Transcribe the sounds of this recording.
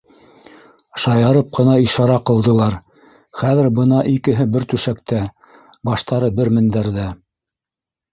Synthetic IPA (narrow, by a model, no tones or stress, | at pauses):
ʃɑjɑɾɤp̚qɤ̆nɑiʃɑɾɑqɤ̆lˠd̪ɤ̆lˠɑɾ | χæðɘ̆ɾbɤnɑʔikɘ̆ɦɘbɘɾt̪ʉʃæk̚t̪æ | bɑʃt̪ɑɾɤbɘɾmɘ̆nd̪æɾðæ